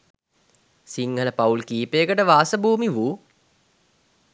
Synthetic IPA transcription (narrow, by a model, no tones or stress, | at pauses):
siŋɡələpaulkiːpeəkəʈəʋaːsəbuːmiʋuː